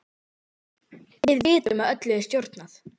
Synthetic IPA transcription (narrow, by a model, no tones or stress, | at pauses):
ɪðbiːt̪maʔœt̪lɪhst̪joɾt̪nað